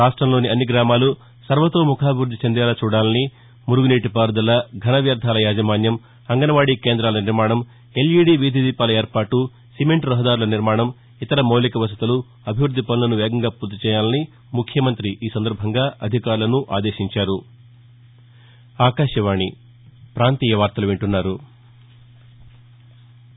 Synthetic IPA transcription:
ɾaːʂʈɾɐmlo̞ːniɐnːiɡɾaːmaːlu | sɐɾʋɐt̪o̞ːmukʰaːbʱiʋɾud̪ʱːit͡ʃɐnd̪ɛːlɐt͡ʃuːɽaːlɐni | muɾuɡuneːʈipaːɾd̪ɐlɐɡʱɐnɐʋjɐɾd̪ʱaːlɐjaːd͡ʒɐmaːnjɐm | ɐŋɡɐnɐʋaːɽike̞ːnd̪ɾaːlɐniɾmaːɳɐm | e̞liːɽiʋid̪ʱid̪iːpaːlɐeːɾpaːʈːu | simeɳʈɾɐɦɐd̪aːɾulɐniɾmaːɳɐm | it̪ɐɾɐmɐwlikɐʋɐs̬ɐt̪ɐlu | ɐbʱiʋɾud̪ʱːipɐnulɐnuʋɛːɡɐŋɡaːpuːɾt̪ːɐit͡ʃɛːjaːlɐni | mukʰjɐmɐnt̪ɾiʔiːsɐnd̪ɐɾbʱɐŋɡaːʔɐd̪ʱikaːɾulɐnuʔaːd̪eːʃiɲt͡ʃaːɾu | aːkaːʃɐʋaːɳi | pɾaːnt̪iːjɐʋaːɾt̪ɐluʋeɳʈunːaːɾu

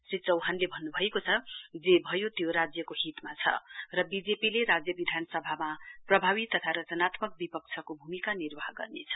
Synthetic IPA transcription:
sit͡sʌwɦanlebʱʌnːubʱʌekot͡sʰʌd͡zebʱʌjot̪joɾad͡zjʌkoɦit̪mat͡sʰʌ̰rʌbid͡zepileɾad͡zjʌbid̪ʱanʌsʌbʱamaprʌbʱaβit̪ːʌt̪ʰaɾʌt͡sʌnat̪mʌk̚bipʌk̚t͡sʰʌkobʱumikanirbaɦɡʌ̰rnḛt͡sʰʌ̥

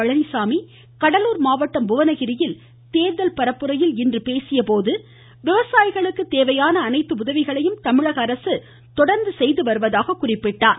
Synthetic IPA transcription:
ɐɻɐnɪsaːmi | kɐɽɐluːɾmaːʋɐʈːɐmbʊʋɐnɐɣɪɾɪjɪl | t̪eːðɐlpɐɾɐpːɯɾɐjɪlɪndrɯpeːsɪjɐpoːðɯ | ʋɪʋɐsaːjɪɣɐɭɯkːɯt̪eːʋɐjaːnɐːnɐɪt̪ːɯʊðɐʋɪɣɐɭɐjɯmt̪ɐmɪɻɐɣɐːɾɐsɯ | t̪ɔɽɐɾnd̪ɯsɛjðɯʋɐɾɯʋɐðaːɣɐkːʊrɪpːɪʈːaːn

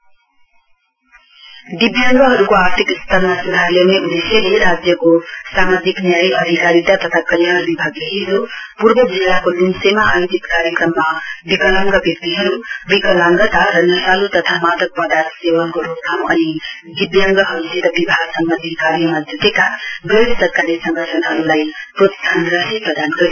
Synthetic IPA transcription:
dibjaŋɡɐɦɐɾuɡoaɾt̪ʰikist̪ʰaɾnɐsud̪ʱaɾlewniʔudiseliɾad͡ʒjɐɡosamad͡ʒiknijajiɐd̪ʱikaɾid̪ɐt̪ɐt̪ʰakɐljɦɐɾubibʱaɡleɦizupuɾbɐbilakolimsemɐʔajdit̪kaɾjekɾɐmːɐbikʌlaŋɡʌbjʌk̚t̪iɦʌɾubikʌlaŋɡʌt̪aɾʌnʌsalut̪ʌt̪ʰamad̪ʱʌk̚pʌd̪ansewʌnkoɾop̚kʰamʌni | bibjʌŋɡʌɦʌɾuset̪ʌbibʱaɡsʌŋɡʌnd̪ʱikaɾimad͡zʱut̪ekabedsʌɾkaɾisʌŋɡʌʈʰʌnɦʌɾulajpɾot̪t̪ʰanɾʌsipɾʌd̪anɡʌɾi

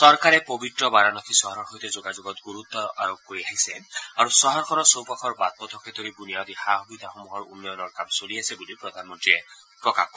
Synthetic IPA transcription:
sɔɹkaɹɛpobitɹɔbaɾanɔkʰisɔɦɔɔɹxojt̪ɛzoɡazoɡɔt̪ɡuɹut̪ːɔʔa̰ɹobːoɹiaɦisɛaɹusɔɦɔɹkʰɔɾɔsowpakʰɔɹbat̪̚mɔt̪ʰɔkʰɛt̪oɾibunijad̪ixaxubid̪ʱaxomuɦɔɹṵnːɔjɔnɔɹkamsoliasɛbulipɹɔd̪ʱanmɔntɹiɛ | pɹɔkaxkːɔ

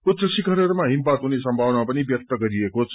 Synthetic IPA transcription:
ut̪rʌsikʌɾeɾmaɦimpat̪ɦunesʌmbʱawnamapʌnibjʌk̚t̪ʌɡʌɾiekot͡sʰ

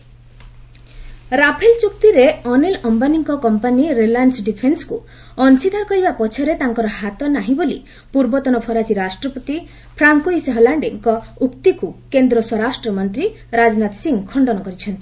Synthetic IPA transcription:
ɾapʰelt͡ʃuk̚t̪iɾeɔnelɔmbaniŋkɔkɔmpaniɾelansɖipʰensku | ɔnt͡ʃit̪aɾɔkɔɾibapɔt͡ʃʰɔɾet̪aŋkɔɾɔɦat̪ɔnaɦĩbolḭ | puɾbɔt̪ɔnɔpʰɔɾasiɾasʈɾɔpɔt̪i | pʰɾaŋkoisɦɔlaɳɖiŋkɔukt̪ikukend̪ɾɔswɔɾasʈɾɔmɔnt̪ɾi | ɾad͡ʒɔnat̪siŋkʰɔɳɖɔnɔkɔɾit͡ʃʰɔnt̪i

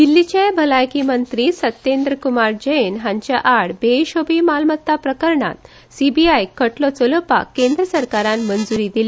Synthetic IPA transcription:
d̪ilːit͡ɕajbʱəlajkimənt̪ɾisət̪ːend̪ɾəkumaɾd͡ʑəjenɦãɲt͡ɕjaʔaɽbeɕobimalmət̪ːapɾəkəɾɳa̰t̪ | sibiajkəʈlɔt͡soləpa̰kːẽnd̪ɾəsəɾkaɾãnmənd͡zuɾid̪ili

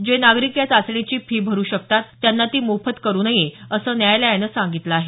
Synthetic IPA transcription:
d͡ʑenaɡɾikjat͡sasɳit͡ɕiːpʰiːbʱəɾuːɕək̚t̪at̪ːjanːat̪iːmofət̪kəɾuːnaɦiəsəːnjajlajanəsãŋɡit̪ləːɦe

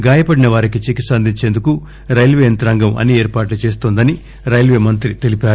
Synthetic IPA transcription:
ɡaːjɐpɐɽinɐʋaːɾikit͡ʃekisɐnd̪ʱiɲt͡ʃend̪uku | ɾɐjlʋeːnt̪ɐɾɐŋɡɐmɐ̰nieːɾpaːʈlut͡ʃe̞ːst̪oːnd̪ɐni | ɾɐjlʋeːmɐnt̪ɾit̪elipaːɾu

